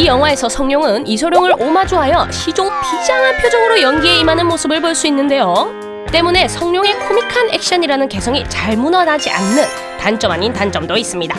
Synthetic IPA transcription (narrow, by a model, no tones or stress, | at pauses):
ijʌŋɦwae̞sʰʌsʰʌŋɲoŋɯnisʰoɾjoŋɯɾʔomad͡ʑuɦajʌɕʰid͡ʑoŋpid͡ʑaŋapʰjod͡ʑʌɡɯɾojʌnɡie̞imanɯnmosʰɯbɯɭboɭs͈uinːɯnde̞jo | t͈e̞mune̞sʰʌŋɲoŋe̞kʰomikʰane̞k̚ɕ͈ʌɲiɾanɯnke̞sʰʌŋit͡ɕaɭmunʌnad͡ʑiʔa̰nːɯn | tant͡ɕ͈ʌmaɲintant͡ɕ͈ʌmdois͈ɯmɲida